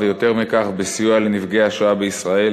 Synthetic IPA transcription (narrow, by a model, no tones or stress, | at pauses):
vejo̞t̪e̞ʁmikaχbesijualenivɡeaʃoabeisʁae̞l